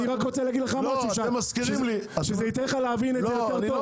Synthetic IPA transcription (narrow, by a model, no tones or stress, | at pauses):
niʁakʁot͡selaɡid̪leχamasuʃaemaskiimliʃezeit̪eleχaleavinetj̪eʁo